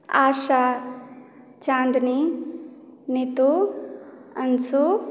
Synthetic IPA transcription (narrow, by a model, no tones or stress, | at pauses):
aːʃa | t͡ʃãːnd̪ni | nit̪u | ɐnsu